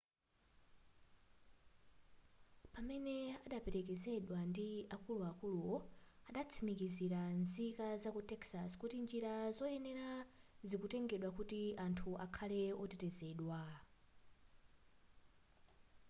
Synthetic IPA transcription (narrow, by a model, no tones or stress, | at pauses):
pamɛnɛaɗapɛɾɛk̬ɛzɛɗwandiakuluakuluwɔaɗat͡sʰimikiziɾanzikazakutɛksaskutind͡ʒiɾazɔɛnɛɾazikutɛŋɡɛɗwakutiantʰuʔakʰalɛɔtɛtɛzɛːɗwa